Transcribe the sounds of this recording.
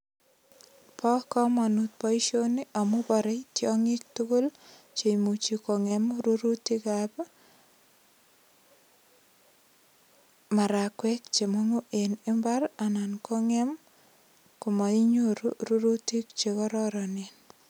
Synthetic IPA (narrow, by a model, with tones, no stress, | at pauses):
pʰɔ˦kɔ˦mɔ˨nu˨t̪̚pɔ˦i˦ʃo˦ni˦ʔɔ˨mʊ˦bɔ˨ɾe˦itjɔ˦ŋɪ˦k̚tu˦ko˦l | t͡ʃe˨mu˨t͡ʃi˨ko˨ŋɛ˨mɾu˦ɾu˦ti˦ka˨b | ma˨ɾa˨kwɛ˦k̚t͡ʃe˨mo˦ŋo˦ʔe˨nɪ˦mba˦ɾa˨na˨nkʰo˦ŋe˦m | ko˨ma˨i˦ɲo˦ɾuɾu˦ɾu˦ti˦kt͡ʃe˨kɔ˦ɾɔ˦ɾɔ˨nen